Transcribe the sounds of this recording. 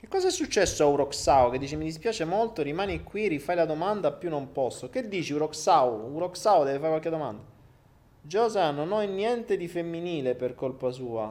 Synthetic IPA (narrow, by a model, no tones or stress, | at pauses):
k̟ekːɔːzaɛsːut͡ʃːɛsːoawɾɔksawked̪ːiːt͡ʃemid̪ispjaːt͡ʃemolt̪oɾimaːnikwiɾifajlad̪omand̪apːjunːompɔsːoked̪ːiːt͡ʃiuɾɔksawuɾɔksawd̪ɛːvefaɾkwalked̪ːoma̰nd̪a | d͡ʒɔzanːonɔjnːjɛnt̪ed̪ifemːiniːleperkolpasuːa̰